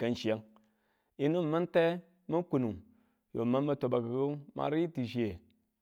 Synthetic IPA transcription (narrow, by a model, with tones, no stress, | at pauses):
ka˦nʃi˨ja˦ŋ | i˦nu˦m˨ma˦nte˦ | ma˦ku˨nu˨ | jo̰˨ma˦nma˦to˨ba˨ka˨ɡo˦ma̰˨˦ɾi˦i˦ti˨ʃ̬i˦e˨